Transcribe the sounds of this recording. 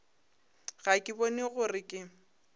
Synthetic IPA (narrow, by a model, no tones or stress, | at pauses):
ɣakʼɪbɔneɣʊrɪkʼɪ